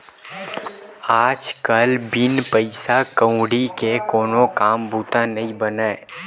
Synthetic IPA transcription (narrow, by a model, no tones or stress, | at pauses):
aːd͡ʒkɐlbɪnpəɪsakə̃ʊ̃ɽikekoːnokaːmbuːt̪anɐɦĩbənəː